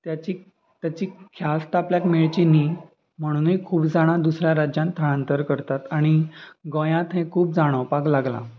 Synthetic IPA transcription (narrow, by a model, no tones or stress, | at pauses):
t̪jat͡ɕiː | t̪jat͡ɕiːkʰjast̪apljakmeɭt͡ɕiniː | m̤əɽ̃ũːnikʰuːpd͡zaɽ̃ad̪usɾjaɾad͡ʑjãnt̪ʰːəɽ̃ãnt̪əɾkəɾt̪at̪aɽ̃iɡõjãt̪ɦẽkʰuːp̚d͡zaɽ̃ɔpaklaɡla̰